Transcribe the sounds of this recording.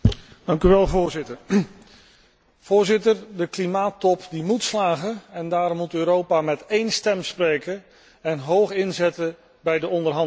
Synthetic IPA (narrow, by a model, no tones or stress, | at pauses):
d̥ɑŋkyʋɛlˠvʊːɹzɪtəɹ | v̥ʊːɹzɪtərdəklimaːtɔpdimutslaːχənɛndaːɾɔmːutøːɾowpaːmɛtejnstɛmsprejkə | ɛnɦowχɪnzɛtə | bɛjdəɔndərɦɑn